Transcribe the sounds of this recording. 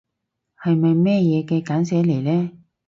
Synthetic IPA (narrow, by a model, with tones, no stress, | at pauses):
hɐ˨jmɐ˨jmɛː˥˧jɛː˨˧kɛː˧kaː˨˥nsɛː˨˥le˨˩jlɛː˥